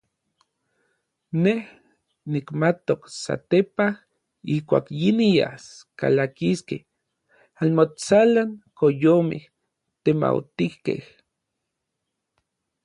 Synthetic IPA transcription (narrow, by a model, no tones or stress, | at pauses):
neh | nikmat̪oksa̰t̪epah | ihkʷa̰ːkjinija̰ska̰lakiskeh | anmot͡salaŋkojomḛh | t̪ema̰wt̪ihkḛh